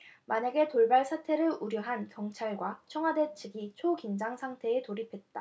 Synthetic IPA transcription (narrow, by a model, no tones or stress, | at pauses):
maɲaɡe̞toɭbaɭsʰatʰe̞ɾɯɾuɾjʌɦankjʌŋt͡ɕʰaɭɡwat͡ɕʰʌŋɦwade̞t͡ɕʰiɡit͡ɕʰokind͡ʑaŋsʰaŋtʰe̞ːtoɾipʰe̞t̚t͈a